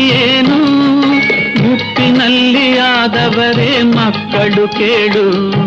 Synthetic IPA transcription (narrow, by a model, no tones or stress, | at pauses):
jeːnu | mupːinɐlːiaːd̪ɐʋɐɾeːmɐkːɐɭukeːɭu